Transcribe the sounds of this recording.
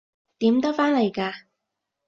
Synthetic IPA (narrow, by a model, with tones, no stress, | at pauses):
t̪iː˨˥mt̪ɔː˥faː˥nlɐ˨˩jkaː˧